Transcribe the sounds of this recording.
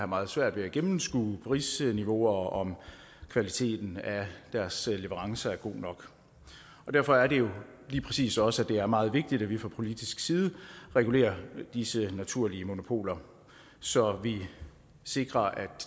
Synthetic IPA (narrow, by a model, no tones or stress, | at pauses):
hɑ̈mɑ̈ːð̞̩ˠsʋæɐ̰d̥ʋe̝æɡ̥emmn̩sɡ̥ṵːpʰʁiːsniʋo̝ɐɒ̽m | kʰʋælit͡sʰe̝̰ːd̥n̩æd̥æɐsleʋəʁɑ̈ŋsɐæɐɡ̥o̝̰ːnɒ̽ɡ̥ | ɒ̽d̥æɐ̰fɒ̽æɐɾe̝jo̝ | liːpʰʁɛsḭːsɒ̽sæd̥e̝æɐmɑ̈ːð̞̩ˠʋe̝ɡ̥̚d̥id̥æʋifʁɑ̈pʰo̝lid̥isɡ̥siːð̞ˠəʁɛɡ̥ule̝̰ːɐd̥isənæt͡sʰuɐ̰liəmo̝no̝pʰo̝̰ːlɐ | sɒ̽ʋi | se̝ɡ̥ʁɐʔæd̥